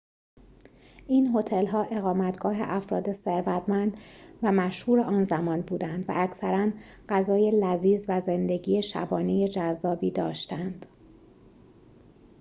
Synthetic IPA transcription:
ʔiːnɦo̞t̪ʰe̞lɦɒːʔe̞ɣɒːmæt̪ʰɡ̥ɒːɦe̞̰ʔæfɾɒːd̪e̞se̞ɾvæt̪ʰmænd̪væmæʃhuːɾe̞ʔɒːnzæmɒːnbuːd̪ænd̪væ̰ʔːcʰsæɾæn | ɢ̥æzɒːje̞læziːzvæze̞nd̪e̞ɟiːje̞ʃæ̰bɒːne̞je̞d͡ʒæzːɒːbiːd̪ɒ̰ːʃt̪ænd̪̥

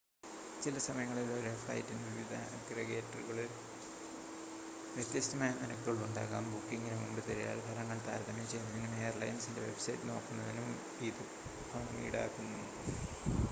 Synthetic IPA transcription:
t͡ɕilɐsɐmɐjɐŋːɐɭoloɾefɐ̰jitːunːɨʋiʋid̪ʱɐ | ɡreɡeːtːɐruɣɐɭil | ʋjet̪jɐst̪ɐmaːjɐninɐkːuɣɐɭuɳɖa̰ːkaːmbukːiŋːɡinumumbɨt̪ɐɾija̰ːlbʱɐlɐŋːɐɭt̪aːɾd̪ʰʱɐmɐt͡ɕe̞jnːɐðinume̞ːjɐrlɐjnsinde̞ʋe̞bsɐjtːɨno̞̰ːkːunːɐðinum | iːði | pʰomḭiɽa̰ːkːunːuɨ

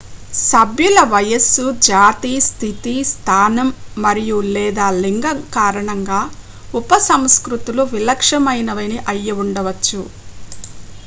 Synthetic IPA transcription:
sɐbʱjulɐʋɐjɐsud͡ʒaːt̪iːst̪ʰit̪ist̪ʰaːnɐmːɐɾijulɛːd̪aːliŋɡɐkaːɾɐɳɐŋɡaː | upɐsɐmskɾut̪uluʋilɐkʂɐmɐjnɐʋɐjniʔɐjːɐuɳɖɐʋɐt͡ʃːu

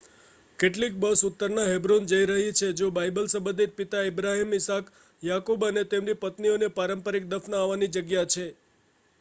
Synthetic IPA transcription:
keʈ̬lik̚bəsʊt̪ːəɾnaɦebɾund͡ʒəiɾəɦit͡ʃʰed͡ʒobajbəlsəbəd̪iɾ̚pit̪aɪbɾaɦimɪsak | jakubənet̪emnipət̪nionepaɾəmpəɾik̚d̪əfnəaʋanid͡ʒəɡjat͡ʃʰe

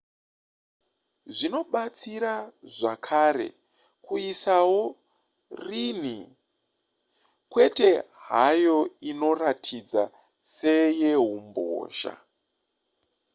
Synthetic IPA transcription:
ʐino̞ɓat͡siɾaʐakʰaɾe̞̰ | kuisawo̞ | rin̤i | kwe̞te̞ɦajo̞ino̞ratʰid͡za | se̞je̞ɦumbo̰ːʒa̰

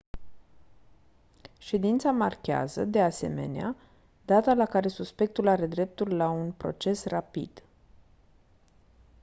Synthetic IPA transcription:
ʃe̞d̪int̪samarkʲea̰zə̰d̪e̞ase̞̰me̞̰nea | d̪at̪alakaɾe̞suspe̞k̚t̪ulaɾe̞d̪ɾe̞p̚t̪ullaunpɾo̞̰t͡ʃe̞srapḭd̪̥

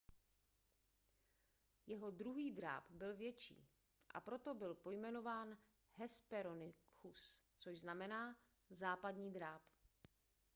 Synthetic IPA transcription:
jɛɦo̞dɾuɦiːdɾa̰ːpbɪlvjɛt͡ʃḭː | ʔa̰pɾo̞t̪o̞bɪlpo̞jmɛno̞vaːn | hɛspɛɾo̞nɪkʰust͡soʃznamɛnaː | zaːpadɲiːd̪ɾaːp

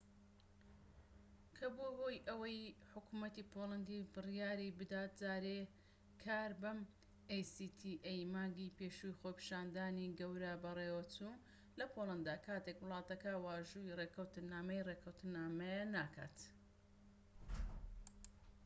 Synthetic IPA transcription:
kʰɐboːɦojʔɐwɐjħʊkumɐt̪ipʰolɐnd̪ibɨrjaːɾibɨd̪aːt̪̚zaːɾe | kʰaːɾbɐm | ejsit̪ʰiʔejmaːŋɡipeʃujxopi̥ʃaːnd̪aːniɡɐwɾɐbɐreːwɐt͡su | lɐpʰolˠɐnd̪aːkʰaːt̪ekwɨlˠɑːt̪ɐkɐwaːʒuireːkʰɐwt̪ɨnaːmɐjrekʰɐwt̪ɨnaːmɐjɐnaːkʰa̰ːt̪

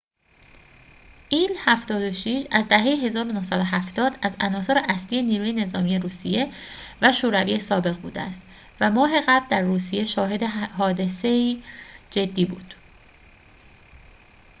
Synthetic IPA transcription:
ʔiːlhæft̪ɒːd̪o̞ʃiʃæzd̪æɦe̞jeɦe̞zɒːɾo̞nohsæd̪ohæft̪ɒːd̪æzænɒːso̞ɾeʔæslije̞niːɾuːje̞ne̞zɒːmije̞ɾuːsije̞væʃoːɾæviːje̞sɒːbe̞ɣbṵːd̪eæ̰st̪ | væmɒːɦe̞ɣæbld̪æɾːuːsije̞ʃɒːɦe̞d̪e̞ɦɒːd̪e̞se̞iːd͡ʒe̞d̪ːiːbuːd̪̥

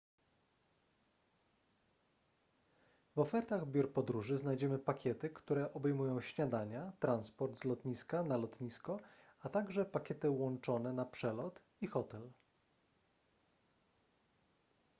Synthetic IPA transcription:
vɔfɛɾt̪aɣbʲjuɾpɔd̪ɾuʐɘznajd͡ʑɛmɘpakʲɛt̪ɘkt̪uɾɛʔɔbɛjmujɔ̃w̃ɕɲad̪aɲat̪ɾanspɔɾd̪zlɔt̪ɲiskanalɔt̪ɲiskɔat̪aɡʐɛpakʲɛt̪ɘwɔnt͡ʂɔn̪ɛnapʂɛlɔt̪ | ixɔt̪ɛl

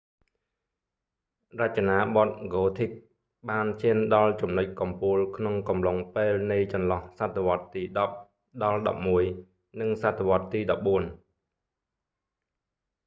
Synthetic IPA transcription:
rac̚t͡ɕanaːɓɑt̪̚ɡoːt̪ʰik̚ | ɓaːnt͡ɕiənɗɑlt͡ɕumnoc̚kɑmpuəlkʰnoŋkɑmloŋpeːlnɨjt͡ɕɑnlɑhsat̪ʰːeʋŏət̪ːiːɗɑp̚ | ɗɑlɗɑ̰p̚muəj | nɨŋsat̪ʰːeʋŏət̪ːiːɗɑp̚ɓuən

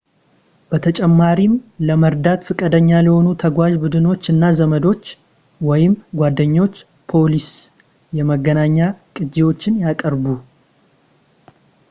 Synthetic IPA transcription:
b̥ət̪ʰət͡ʃʼɛmːaɾimləməɾd̪at̪fɨkʼəd̪əɲːaljɛho̞nut̪ʰəɡʷaʒbud̪ɨno̞t͡ʃːɨnːazəməd̪o̞t͡ʃː | wɔjɪmɡʷad̪ːəɲːo̞t͡ʃː | pʰo̞lis | jɛməɡənaɲːakʼɨd͡ʒːewo̞t͡ʃːɪnjakʼəɾbu

